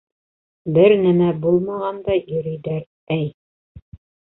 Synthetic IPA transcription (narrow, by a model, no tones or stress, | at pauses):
bɘɾnæmæbulˠmɑʁɑnd̪ɑjɵ̆ɾɘ̆jd̪æɾ | æj